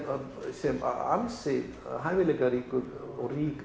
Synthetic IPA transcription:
sɛm̰a̰nsɪ | ɦajvɪlɛkaɾiːkʏ | ɔwriːk

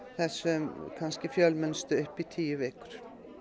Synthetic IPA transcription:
hæsɔkʰɑnskəfjœlmənst̪əœpːit̪ʰiːəʋeːkʊɾ

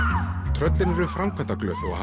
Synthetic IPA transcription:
t̪ʰɾœt̪lɪnɛɾʏfɾamkʰɛnt̪aklœːθɔɣha

